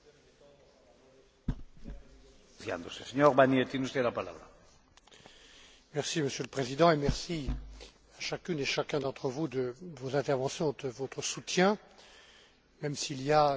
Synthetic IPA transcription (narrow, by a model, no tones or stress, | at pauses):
fiã̰nd̪oseseɲoʁbanet̪inust̪elapala̰βɾa | mɛʁsiməsjøləpχezid̪ɑ̃emɛʁsi | aʃakʲyneʃakʲɛ̃d̪ɑ̃t̪χəvud̪əvozɛ̃t̪ɛʁvɑ̃sjɔ̃d̪əvot̪χəsut̪jɛ̃ | mɛmsilija